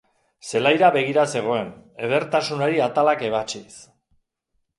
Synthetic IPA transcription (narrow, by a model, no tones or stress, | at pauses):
se̞lajɾaβe̞ɣ̞iɾase̞ɣ̞o̞e̞ne̞ð̞e̞ɾt̪asunaɾiat̪alake̞β̞at͡ʃis